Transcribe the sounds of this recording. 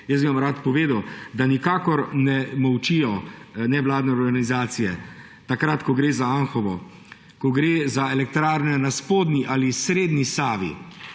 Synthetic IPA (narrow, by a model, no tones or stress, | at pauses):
jəsbimamɾaːt̪pɔʋeːd̪ɐwd̪anikaːkɔɾnɛmɔwt͡ʃijɔnɛʋlaːd̪nɛɔɾɡanizaːt̪sijɛ | t̪akɾat̪kɔɡɾeːzaanxɔʋɔ | kɔɡɾeːzaɛlɛk̚t̪ɾaːɾnɛnaspoːd̪niʔalisɾeːd̪nisaːʋḭ